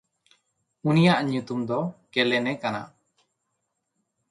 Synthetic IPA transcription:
unijaʔɲut̪umd̪ɔkɛlɛnɛkana̰

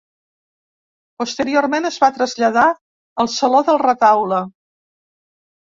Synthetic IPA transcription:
pust̪əɾioɾmenəzβat̪ɾəzʎəða | əlˠsəloðəlˠrət̪awlə

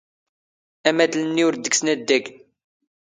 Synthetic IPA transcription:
æmæd̪lnːiʊɾd̪ːəksnæd̪ːæɡ

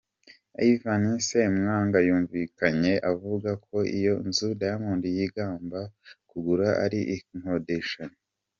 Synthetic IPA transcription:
a̰ivanisemŋaːŋɡajuːɱviːkaɲe̞ʔavuɡakʰo̞ḭjo̞̰nzudajamuːndujiɡaːmbakuɡuɾaʔa̰ɾiʔŋho̞deʃaɲe

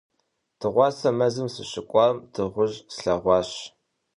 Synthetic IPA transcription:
tʰɨʁʷɑːsɐmɐzɨmsɨɕɪkʷʼɑmtʰɨʁʷʊʑsɬɐʁʷɑːɕ

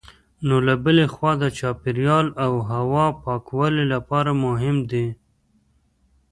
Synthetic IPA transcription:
nolabəlexwɑd̪ət͡ʃɑpɪɾjɑlawɦawɑpɑkwalelapɑɾamʊɦɪmd̪e

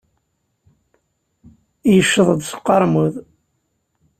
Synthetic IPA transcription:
jəʃːəðˤəd̪sqːɑɾˤmuð

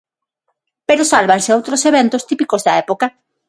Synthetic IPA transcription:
peɾosalβaŋsɪowt̪ɾoseβent̪ʊst̪ipikozðɐɛpoka

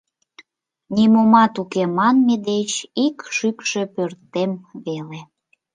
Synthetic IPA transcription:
nʲimomɑt̪ukemɑnmed̪et͡ɕikʃykʃøpørt̪ːemβele

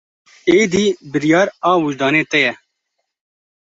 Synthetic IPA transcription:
eːd̪iːbɪɾijɑːɾaːwʊd͡ʒd̪ɑːneːt̪ɛjɛ

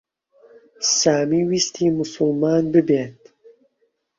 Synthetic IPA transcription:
saːmiːwist̪ʰiːmʊsʊlmaːnbɨbeːt̪̚

